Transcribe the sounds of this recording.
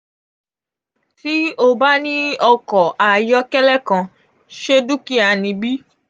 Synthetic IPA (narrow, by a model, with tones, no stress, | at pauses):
ti˦o˧ba˦nĩ˦ɔ˧kɔ˨ʔa˨jɔ˦kɛ˦lɛ˦kã˨˧ | ʃe˦du˦ki˦a˨nĩ˧bi˦